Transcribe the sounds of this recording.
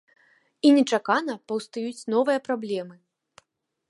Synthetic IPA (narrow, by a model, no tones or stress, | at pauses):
inʲɛt͡ʂakanɐpɐwst̪ajut͡sʲn̪ɔvɨjɐpɾablʲɛmɨ